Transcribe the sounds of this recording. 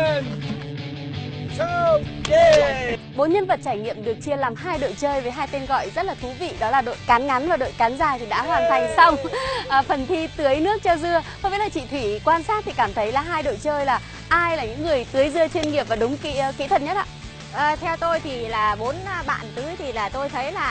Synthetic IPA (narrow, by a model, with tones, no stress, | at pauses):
ɓo˨˦nɲə˧nvə˨˩t̚t͡ɕaː˧˩jŋḭ˧˨əmɗɨ˨˩ək̚t͡ɕi˧əlaː˨˩mɦaː˧jɗo̰˧˨jt͡ɕəː˧jveː˨˩ɦaː˧jt̪e˧nɣɔ̰˧˨jzə˦˥t̚laː˨˩t̪ʰu˨˦vḭ˧˨ɗɔ˨˦laː˨˩ɗo̰˧˨jkaː˨˦nŋa˨˦nvaː˨˩ɗo̰˧˨jkaː˨˦nzaː˧˩t̪ʰi˨˩ɗa̰ː˧˥hwaː˨˩nt̪ʰa˨˩jŋ̟sa˧wŋ͡mʔəː˨˩fə˨˩nt̪ʰi˧t̪ɨ˨˦əjnɨ˦˥ək̚t͡ɕɔ˧zɨ˧əxɔ˧mɓi˧˥laː˨˩t͡ɕḭ˧˨t̪ʰwi˧˩kwaː˧nsaː˦˥t̚t̪ʰi˨˩kaː˧˩mt̪ʰə˨˦jlaː˨˩ɦaː˧jɗo̰˧˨jt͡ɕəː˧jlaː˨˩ | ʔaː˧jlaː˨˩ɲɨ̰˧˥ŋːɨ˨˩əjt̪ɨ˨˦əjzɨ˧ət͡ɕwe˧ənŋi˨˩əp̚vaː˨˩ɗʊ˨˦ŋ͡mkḭ˧˥˧kḭ˧˥t̪ʰə˨˩t̚ɲə˦˥t̚ʔa̰ː˧˨ | ʔəː˨˩t̪ʰɛ˧wt̪o˧jt̪ʰi˨˩laː˨˩ɓo˨˦n˧ɓa̰ː˧˨nt̪ɨ˨˦jt̪ʰi˨˩laː˨˩t̪o˧jt̪ʰə˨˦jlaː˨˩